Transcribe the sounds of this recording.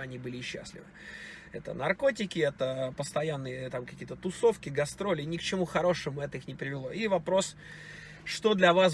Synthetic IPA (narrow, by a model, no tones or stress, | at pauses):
ɐnʲibɨlʲɪɕːa̰sʲlʲɪ̰vɨ | ɛt̪ə̰nɐrko̞tʲɪkʲɪɛt̪əpəst̪ɐjanːɨjət̪amkɐkʲijət̪ət̪ʊso̞fkʲɪɡɐst̪ɾo̞lʲɪnʲɪkt͡ɕɪmuxɐɾo̞ʂɨmʊɛt̪əixnʲɪpɾʲɪvʲɪlˠo̞ivɐpɾo̞s | ʂt̪o̞d̪lʲɐvas